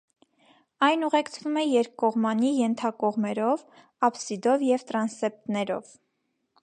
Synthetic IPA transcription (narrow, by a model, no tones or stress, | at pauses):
ɑjnuʁɛkt͡sʰvumɛjɛɾkːɔʁmɑnijɛnt̪ʰɑkɔʁmɛɾɔv | ɑpsid̪ɔvjɛvt̪ɾɑnsɛp̚t̪nɛɾɔ̰v